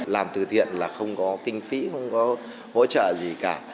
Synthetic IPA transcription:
laː˨˩mt̪ɨ˨˩t̪ʰḭ˧˨ənlaː˨˩xə˧wŋ͡mkɔ˨˦kï˧ŋ̟fi˨˦xə˧wŋ͡mkɔ˨˦ | ho̰˧˥t͡ɕə̰ː˧˨zi˨˩kaː˧˩

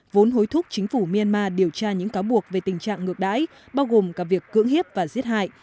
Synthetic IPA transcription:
vo˨˦nɦo˨˦jt̪ʰʊ˦˥k͡p̚t͡ɕï˨˦ŋ̟fu˧˩mi˧a˧nmaː˧ɗi˨˩əwt͡ɕaː˧ɲɨ̰˧˥ŋkaː˨˦wɓu˨˩ək̚ve˨˩t̪ï˨˩ŋ̟t͡ɕa̰ː˧˨ŋŋɨ˨˩ək̚ɗa̰ː˧˥j | ɓaː˧wɣo˨˩mkaː˨˥vi˨˩əkːɨ̰˧˥əŋɦi˦˥p̚vaː˨˩zi˦˥ət̚ha̰ː˧˨jʔ

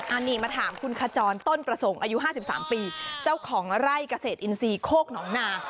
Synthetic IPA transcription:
ʔaː˧niː˧˩maː˧t̪ʰaː˩˦mkʰu˧nkʰaː˧t͡ɕɔː˧nt̪o˥˩npɾa˧so˩˦ŋʔaː˧ju˦˥ɦaː˥˩si˨˩p̚sa̰ː˩˦mpiː˧t͡ɕa˥˩wkʰɔː˩˦ŋɾa˥˩jkaː˧seː˨˩t̪ʔi˧nsiː˧kʰoː˥˩k̚nɔː˩˦ŋnaː˧

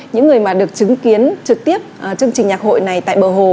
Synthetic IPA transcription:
ɲɨ̰˧˥ŋːɨ˨˩əjmaː˨˩ɗɨ˨˩ək̚t͡ɕɨ˨˦ŋki˨˦ənt͡ɕɨ˨˩k̚t̪i˦˥əp̚ʔəː˨˩t͡ɕɨ˧əŋt͡ɕï˨˩ŋ̟ɲaː˨˩k̚ho̰˧˨jna˨˩jt̪a̰ː˧˨jɓəː˨˩ɦo˨˩

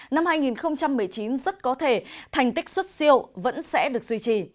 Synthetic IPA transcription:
na˧mhaː˧jŋi˨˩nxə˧wŋ͡mt͡ɕa˧mːɨ˨˩əjt͡ɕi˨˦nzə˦˥t̚kɔ˨˦t̪ʰe˧˩t̪ʰa˨˩jŋ̟t̪ï˦˥k̟̚swə˦˥t̚si˧əwvə̰˧˥nsɛ̰˧˥ɗɨ˨˩ək̚zwi˧t͡ɕi˨˩

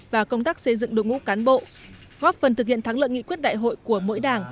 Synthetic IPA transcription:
vaː˨˩kə˧wŋ͡mt̪aː˦˥k̚sə˧jzɨ̰˧˨ŋɗo̰˧˨wŋ͡mŋṵ˧˥kaː˨˦nɓo̰˧˨ | ɣɔː˦˥p̚fə˨˩nt̪ɨ˨˩k̚hḭ˧˨ənt̪aː˨˦ŋlɨ̰˧˨əŋḭ˧˨kwi˦˥t̚ɗa̰ː˧˨jɦo̰˧˨jku˧˩əmo̰˧˥jɗaː˨˩ŋ

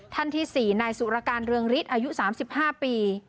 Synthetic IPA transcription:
t̪ʰa˥˩nt̪ʰiː˥˩siː˨˩naː˧jsu˨˩ɾa˧kaː˧nɾɯ˧əŋɾi˦˥t̪̚ʔaː˧ju˦˥ʔsaː˩˦msi˨˩p̚haː˥˩piː˧

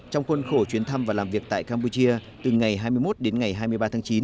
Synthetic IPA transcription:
t͡ɕɔ˧wŋ͡mxwə˧nxo˧˩t͡ɕwi˨˦ənt̪ʰa˧mvaː˨˩laː˨˩vi˨˩ək̚t̪a̰ː˧˨jkaː˧mp̬u˧t͡ɕi˧ə | t̪ɨ˨˩ŋa˨˩jɦaː˧jmɨ˧əjmo˦˥t̚ɗe˨˦nŋa˨˩jɦaː˧jmɨ˧əjɓaː˧t̪ʰaː˨˦ŋt͡ɕi˨˦n

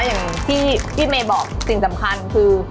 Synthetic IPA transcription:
jaː˨˩ŋt̪ʰiː˥˩iː˥˩meː˧bɔː˨˩k̚si˨˩ŋsa˩˦mkʰa˧nkʰɯː˧

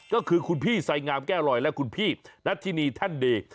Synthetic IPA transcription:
kɔː˥˩kʰɯː˧kʰu˧npʰiː˥˩sa˨˦jŋaː˧mkɛː˥˩ɾɔ˨˩jlɛ˦˥ʔkʰu˧npʰiː˥˩na˦˥t̪ʰːiː˧niː˧t̪ʰa˥˩ndeː˧

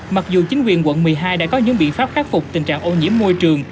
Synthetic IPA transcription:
ma˨˩k̚zu˨˩t͡ɕi˨˦ŋ̟kwi˨˩ənkwə̰˧˨nmɨ˨˩əjɦaː˧jɗa̰ː˧˥kɔ˨˦ɲɨ̰˧˥ŋɓḭ˧˨ənfaː˦˥p̚xaː˦˥t̚fʊ˨˩k͡p̚t̪ï˨˩ŋ̟t͡ɕa̰ː˧˨ŋʔo˧ɲḭ˧˥əmːo˧jt͡ɕɨ˨˩əŋ

